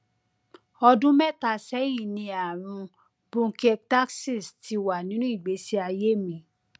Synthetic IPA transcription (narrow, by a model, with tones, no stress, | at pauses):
ɔ˧dũ˦mɛ˦˨ta˨sɛ˨˦ji˦˨nĩ˧a˨ɾ̃ũ˧ | b̥õ˦kɛ˦˧k̚ta˦ksi˦˨sti˧wa˨nĩ˨˦nũ˦i˦˨ɡ͡be˨˦si˦a˧je˦mĩ˨˧